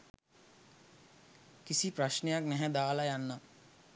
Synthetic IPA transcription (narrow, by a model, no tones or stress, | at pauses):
kisipɾɐʃnejaknɛɦɛd̪aːlajanːa